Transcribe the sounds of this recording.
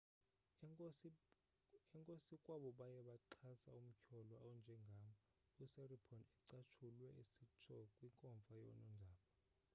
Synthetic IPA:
ɛŋkʼosikʼwaɓɔɓajɛɓaǃʰasa̰um̩kʰɔlɔawɔnd͡ʒʱɛŋɡʱamɔ | usɛripʰɔnɛǀat͡ʃʰulwɛisit͡ʃʰɔkʼwiŋkʼɔɱfajɔ̰nɔndʱaːɓɔ

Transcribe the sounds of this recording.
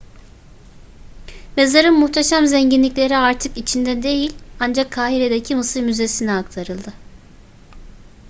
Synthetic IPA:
me̞zaɾɯnmuxt̪ʰeʃamzɛɲɟinlʲiclʲe̞ɾiaɾt̪ʰɯkit͡ʃʰind̪ɛd̪e̞jilʲand͡ʒakʰːaːɦiɾe̞d̪ecʰimɯsɯɾmyze̞sinɛak̚t̪ʰaɾɯlˠd̪ɯ

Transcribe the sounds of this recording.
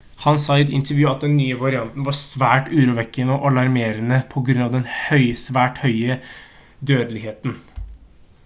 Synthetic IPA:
hɑnsɑɪd̪ɪ̰nt̪ʰəɾʋjʉːɑt̪̚d̪ɛnːyːəʋɑɾɪɑnt̪n̩ʋɑsʋæːʈʉːɾuːʋɛkːənəʔɔlɑɾmeːɾənəpʰɔɡɾʉnɑʋd̪ɛnhœʏsʋæːʈhœʏə | d̪øːd̪əlɪheːt̪n̩

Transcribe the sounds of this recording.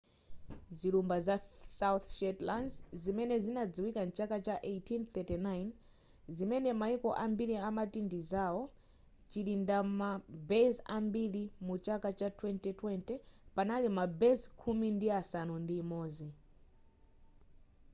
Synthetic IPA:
zilumbazasawuθʃɛtlandzimɛnɛzinad͡ziwikant͡ʃakat͡ʃaʔejtʰinθɛtinajn | zimɛnɛmaikɔʔambiliamatindizawɔ | t͡ʃilindamabɛzambilimut͡ʃakat͡ʃatʰwɛntitwɛntɛpanalimabɛzkʰumindiasanundiːmɔːzi

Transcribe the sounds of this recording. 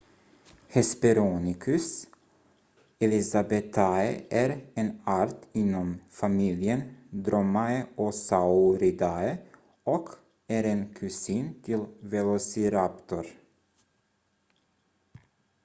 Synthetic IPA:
hɛspɛɾuːnɪkʰʉs | ɛlɪsabɛt̪ʰaɛʔæːɾeːnɑːɾt̪ɪnːɔmfɑmiːljənd̪ɾɔmːaəʔosaʊɾɪd̪ɑə | ɔk | æːɾeːnkʰʉsiːnt̪ʰɪlvɛlɔsɪɾapt̪ɔɾ

